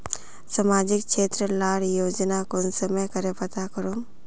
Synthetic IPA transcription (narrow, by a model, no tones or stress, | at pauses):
samaːd͡ʒɪk̚ʃeːt̪ɾəlaːɽjoːd͡ʒnakonsəməkəɾepɐt̪akəɾom